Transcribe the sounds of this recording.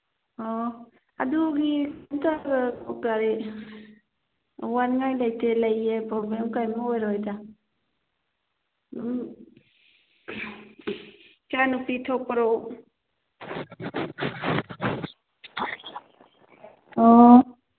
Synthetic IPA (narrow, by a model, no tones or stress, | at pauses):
ɔ | a̰duɡikntaɡaɔkaɾi | wanŋajlajtʰelajepɾoblemkajmɔojɾɔjta | m | t͡ʃanupitʰɔpəɾow | ɔ